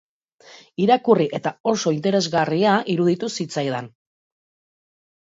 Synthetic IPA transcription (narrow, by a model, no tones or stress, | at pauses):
iɾakuriʔe̞t̪ao̞so̞int̪e̞ɾe̞zɣariaiɾuð̞it̪usit͡sajðan